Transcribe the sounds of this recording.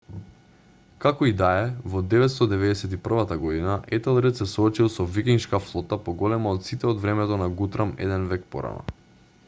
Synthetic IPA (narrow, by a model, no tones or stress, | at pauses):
kakɔid̪aɛvɔd̪ɛvɛt̪st̪ɔd̪ɛvɛd̪ɛsɛt̪ipr̩vat̪aɡɔd̪inaʔɛt̪ɛlˠɾɛt̪sɛsɔːt͡ʃilˠsɔvikiŋʃkaflˠɔt̪apɔɡɔlɛmaot̪sit̪ɛɔd̪vɾɛmɛt̪ɔnaɡut̪ɾamɛ̰d̪ɛnvɛk̚pɔ̰ɾa̰na̰